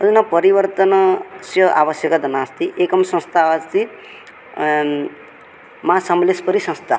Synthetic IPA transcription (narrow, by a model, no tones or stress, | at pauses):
ʌdunʌpʌɾibʌɾt̪ʌnsjʌʔa̰bʌsjʌkʌd̪ʌnast̪iʔekʌmsʌ̃st̪ʰaast̪i | masʌmlespʌɾisʌ̃st̪ʰa